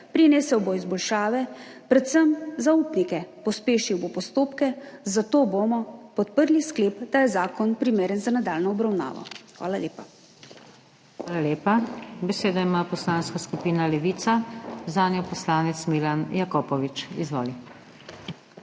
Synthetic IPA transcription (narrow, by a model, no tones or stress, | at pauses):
pɾinɛːsɛwbɔizbɔlʃaːʋɛpɾɛt̪səmzauːpnikɛpɔspeːʃiwbopɔst̪oːpkɛzat̪oːbomɔpɔt̪̚pəɾliskleːpd̪̥ajɛzaːkɔnpɾimeːɾənzanad̪aːlnɔɔbɾawna̰ːʋɔ̰xʋa̰ːlaleːpa | xʋaːlaleːpabɛseːd̪aimaːpɔslaːnskaskupiːnalɛʋiːt̪sazaːnjɔpɔslaːnɛt̪smilanjakɔːpɔʋit͡ʃḭzʋɔːli